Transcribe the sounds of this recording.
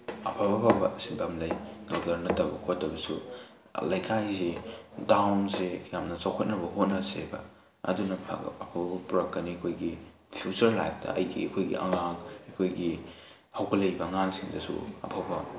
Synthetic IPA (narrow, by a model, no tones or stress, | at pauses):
ɐ̰pʰabɐbabɐsibɐmlɐjdok̚tɐɾnɐtɐbɐ̰kʰotdɐbɐsu | lɐjkʰajzedawnsejamnɐt͡ʃawkʰɐt̚nɐbɐɦot̚nɐsebɐ̰ | ɐ̰dunɐpʰa̰ɡ̰ɐpʰabɐbɐpuɾɐkːɐniɐkʰojɡi | pʰjut͡ʃɐɾlajp̚ʰtɐ̰ʔɐ̰jɡḭɐkʰojɡḭʔɐ̰ŋaŋɐkʰojɡi | hawɡɐlɐjbɐŋaŋsiŋdɐsṵɐ̰pʰabɐ